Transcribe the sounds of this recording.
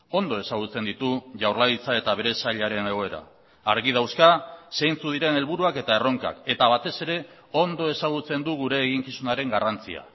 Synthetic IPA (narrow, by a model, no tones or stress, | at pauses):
o̞nd̪o̞e̞saɣ̞ut͡se̞nd̪it̪uʝawɾlaðit͡sae̞t̪aβe̞ɾe̞saʎaɾe̞ne̞ɣ̞o̞e̞ɾa̰ː | ɾɣið̞awskasejnt͡suð̞iɾe̞ne̞lβuɾuake̞t̪ae̞ro̞ŋka̰ke̞t̪aβ̞at̪e̞se̞ɾe̞ | o̞nd̪o̞e̞saɣ̞ut͡se̞nd̪uɣuɾe̞ːɣiŋkisunaɾe̞ŋɡarant͡sia̰